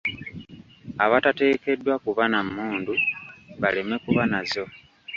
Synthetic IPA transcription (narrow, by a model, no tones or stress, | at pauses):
aβatate̞ːke̞dːwakuβanamːuːnduβaleme̞kuβanazo̞